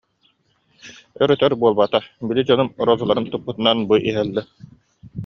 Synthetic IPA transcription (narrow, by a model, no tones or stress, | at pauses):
œɾœt̪œɾbuɔlˠbat̪abilid͡ʑɔnumɔɾɔzulˠaɾɯnt̪upːut̪ɯnanbuʔiɦɛlːɛ